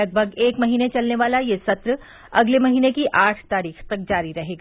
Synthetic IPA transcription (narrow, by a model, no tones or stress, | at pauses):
ɐɡ̚bʱɐɡeːkmɐɦiːnet͡ʃɐlneʋaːlajesɐt̪ɾ | ɐ̰ɡlemɐɦiːnekiʔaːʈʰt̪aːɾiːxt̪ɐk̚d͡ʒaːɾiɾɐɦeːɡaː